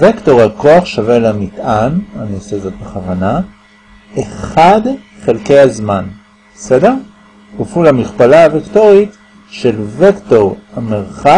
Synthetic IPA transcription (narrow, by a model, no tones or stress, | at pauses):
vekto̞ʁako̞aχʃavelamitʔananiosezo̞tbeχavana | eχad | χe̞lkejazman | besede̞ʁ | bufulhamiχpalaavekto̞ʁit | ʃe̞lvekto̞ʁameʁχa